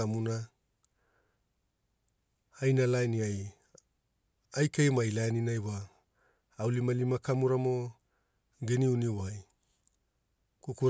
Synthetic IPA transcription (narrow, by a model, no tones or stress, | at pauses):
amuna | ajnalajniaj | ajkejmajlajninajβaː | wlimalimakamuɾamo̞ | ɡeniuniwaj | kukuɾ